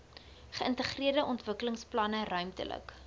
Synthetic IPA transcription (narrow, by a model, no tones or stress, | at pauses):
χəəntəχriərdəʔɔntvəkələŋsplɐnərœɥmtə̰lə̰k